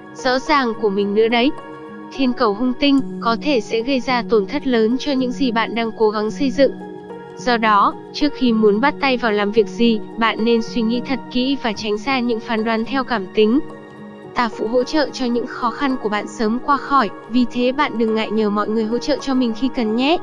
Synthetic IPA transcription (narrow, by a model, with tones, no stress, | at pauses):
z̥ɔ̰˧˥zaː˨˩ŋku˧˩əmï˨˩ŋ̟nɨ̰˧˥əɗə˨˦j | t̪ʰi˧ənkə˨˩whə˧wŋ͡mt̪ï˧ŋ̟kɔ˨˦t̪ʰe˧˩sɛ̰˧˥ɣə˧jzaː˧t̪o˨˩nt̪ʰə˦˥t̚ləː˨˦nt͡ɕɔ˧ɲɨ̰˧˥ŋzi˨˩ɓa̰ː˧˨nɗaː˧ŋko˨˦ɣa˨˦ŋsə˧jzɨ̰˧˨ŋ | z̥ɔ˧ɗɔ˨˦ | t͡ɕɨ˦˥ək̚xi˧mu˨˦ənɓa˦˥t̚t̪a˧jvaː˨˩wlaː˨˩mvi˨˩ək̚zi˨˩ɓa̰ː˧˨nːe˧nswi˧ŋḭ˧˥t̪ʰə˨˩t̚kḭ˧˥vaː˨˩t͡ɕa˨˦jŋ̟zaː˧ɲɨ̰˧˥ŋfaː˨˦nɗwaː˨˦nt̪ʰɛ˧wkaː˧˩mt̪ï˨˦ŋ̟ | t̪aː˧˩fṵ˧˨ɦo̰˧˥t͡ɕə̰ː˧˨t͡ɕɔ˧ɲɨ̰˧˥ŋxɔ˨˦xa˧nku˧˩əɓa̰ː˧˨nsəː˨˦mkwaː˧xɔ˧˩j | vi˨˩t̪ʰe˨˦ɓa̰ː˧˨nɗɨ˨˩ŋːa̰ː˧˨jɲəː˧˩mɔ̰˧˨jŋɨ˨˩əjɦo̰˧˥t͡ɕə̰ː˧˨t͡ɕɔ˧mï˨˩ŋ̟xi˧kə˨˩nɲɛ̰˦˥ʔ